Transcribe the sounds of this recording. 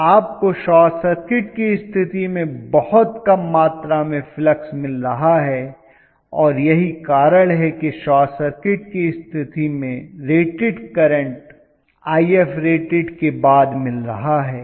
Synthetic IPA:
aːp̚koʃɔːsɐɾkɪʈ̚kiɪst̪ʰɪt̪imẽbɐhʊt̪kɐmːaːt̪ɾamẽfləksmɪlɾɐɦaɦɛ | ɔːɾjɐɦikaːɾəɽɦɛkeʃaːsɐɾkɪʈ̚kiɪst̪ʰɪt̪imẽɾeːʈɪɖkɐɾə̃ɳʈ | aːiɛfɾeːʈɪɖkebaːd̪mɪlɾɐɦaɦɛː

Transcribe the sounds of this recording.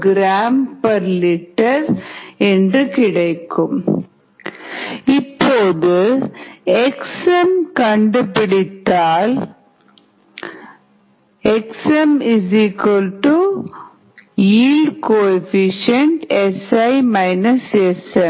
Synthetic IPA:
ɡɾaːmpɐɾlɪʈːɐɾɛndrɯkɪɽɐɪkːɯm | ɪpːoːðɯ | ɛksɐmkɐɳɖɯpɪɽɪt̪ːaːl | ɛksɛmɪzikɐlʈu | jiːlɖkoːɛfɪʂɐɳʈɛsɐɪmɐɪnɐsɛsɐm

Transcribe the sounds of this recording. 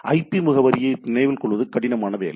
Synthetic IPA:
ʔɐɪpːimʊɣɐʋɐɾɪjɐɪnɪnɐɪʋɪlnkɔɭʋɐðɯkɐɽɪnɐmaːnɐʋḛːlɐ

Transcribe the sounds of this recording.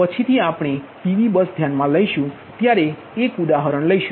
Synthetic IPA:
pət͡ʃʰit̪ʰiapɽ̃eʈiʋibəsd̪ʱjanmãləiʃũ | t̪jaɾe | ekud̪aɦəɾəɽ̃ləiʃũ

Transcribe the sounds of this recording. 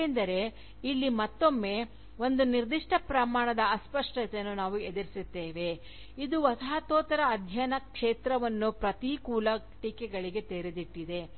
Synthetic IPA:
end̪ɐɾe̞ | ilːimɐt̪ːo̞mːe̞ː | o̞nd̪uniɾd̪iʂʈʰɐpɾɐmaːɳɐd̪ɐːspɐʂʈɐt̪enːunaːʋued̪ɐɾisit̪ːeːʋe̞ | id̪uʋɐsɐɦɐt̪oːt̪ɐɾɐːd̪ʱjɐnɐkʂeːt̪ɾɐʋɐnːupɾɐt̪ikuːlɐ | ʈiːkɛɡɐɭiɡe̞t̪eːɾed̪iʈːid̪e̞

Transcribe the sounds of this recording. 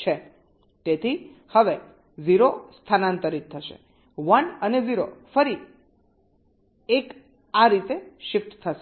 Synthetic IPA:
t͡ʃʰe | t̪et̪ʰihəʋe | ziɾost̪ʰanant̪əɾit̪ʰːəʃḛ | ʋənəneziɾofəɾi | ek | aɾit̪eʃɪft̪t̪ʰəʃe

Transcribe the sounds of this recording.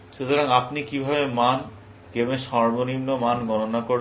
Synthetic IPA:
ʃut̪ʰoɾaŋapnikibʱabeman | kemeʃɔɾmonimnomanɡɔnonakoɾ

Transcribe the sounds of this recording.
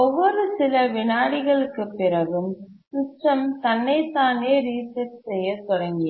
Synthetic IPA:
ɔʋːɔɾɯsɪlɐʋɪnaːɽɪɣɐɭɯkːɯpːɪɾɐɣɯm | sʊʂʈrɐmt̪ɐnːɐɪt̪ːaːneːɾiːsɐʈsɛjːɐt̪ɔɽɐŋɡɪ

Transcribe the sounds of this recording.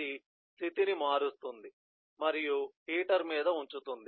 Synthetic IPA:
i | st̪ʰit̪inimaːɾust̪und̪i | mɐɾijuhiːʈɐɾmiːd̪ɐuɲt͡ʃut̪und̪i

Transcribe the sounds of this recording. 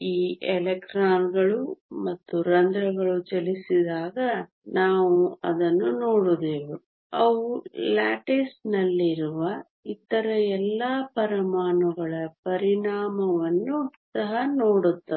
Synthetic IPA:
iːelekʈɾaːnɡɐɭumɐt̪ːuɾɐnd̪ɾɐɡɐɭut͡ʃɐlisid̪aːɡɐ | naːʋuɐd̪ɐnːuno̞ːɽud̪eːʋu | ɐʋulaːʈesnɐlːiɾuʋɐ | it̪ɐɾɐɛlːɐpɐɾɐmaːnɐɡɐɭɐpɐɾiɳaːmɐʋɐnːusɐɦɐno̞ːɽut̪ːɐ

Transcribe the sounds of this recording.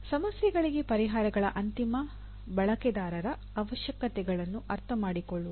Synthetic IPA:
sɐmɐsjɛɡɐɭiɡepɐɾiɦaːɾɐɡɐɭɐʔɐnt̪imɐ | bɐɭɐkɛd̪aːɾɐɾɐ | ɐʋɐʃjɐkɐt̪ɛɡɐɭɐnːuʔɐɾt̪ʰɐmaːɽikoɭːu

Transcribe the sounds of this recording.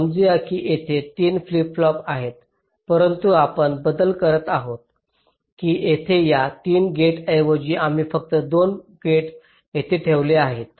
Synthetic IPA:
əmd͡ziakiːʔet̪ʰet̪iːnflipflɔpaɦet̪ | pəɾənt̪uapəɳbəd̪əlkəɾət̪aɦot̪̚ | kiːjet̪ʰejat̪iːnɡeʈəjʋəd͡ʑiːʔam̤iːfək̚t̪əd̪onɡeʈ | jet̪ʰeʈʰeʋleaɦet̪̚

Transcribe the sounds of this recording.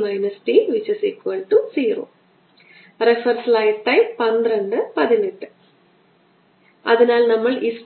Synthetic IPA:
mɐjnɐsʈiʋiɕwɐsikʲːuɐɭʈːusiːro̰ː | refɐrslɐjʈːɐjpɐnd̪reɳɖɨpɐðiniʈːɨ | ɐ̰ðinaːlnɐmːɐɭis

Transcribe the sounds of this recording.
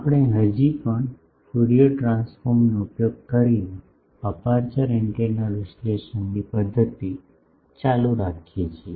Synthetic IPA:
apɽ̃eɦəd͡ʒipəɳ | fuɽioʈɾãnsfoɾmnoupjoɡ̚kəɾine | apaɾt͡ʃəɾɪɳʈeɾnalɾɪsleʃənːipəd̪ʱːət̪i | t͡ʃaluɾakʰijet͡ʃʰie

